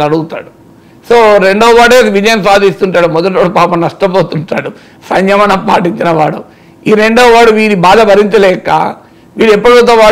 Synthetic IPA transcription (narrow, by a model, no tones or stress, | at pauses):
ɐɽuɡut̪a̰ːɽu | soːɾe̞ɳɖoːɐʋaːɽeːʋid͡ʒɐjɐmsaːd̪ist̪uɳʈaːɽumɔd̪ɐʈoːɽupaːpɐmnɐʂʈɐboːt̪uɳʈaːɽu | sɐɲjɐmɐnɐmpa̰ːʈiɲt͡ʃinɐʋa̰ːɽu | iːɾe̞ɳɖoːʋaːɽuʋiːɾibaːd̪ɐbɐɾint̪ɐlɛːka̰ː | ʋiːɽɛpːɐɽot̪ɐʋaː